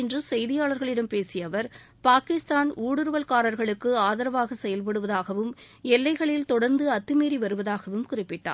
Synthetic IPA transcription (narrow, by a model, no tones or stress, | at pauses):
ɪndrɯsɛjðɪjaːɭɐɾɣɐɭɪɽɐmpeːsɪjɐʋɐɾ | paːkɪst̪aːnʔuːɽɯɾɯʋɐlkaːɾɐɾɣɐɭɯkːɯaːðɐɾɐʋaːɣɐsɛjɐlp̬ɐɽɯʋɐðaːɣɐʋɯm | ɛlːɐɪɣɐɭɪlt̪ɔɽɐɾnd̪ɯɐt̪ːɯmeːɾiʋɐɾɯʋɐðaːɣɐʋɯmkʊrɪpːɪʈːa̰ː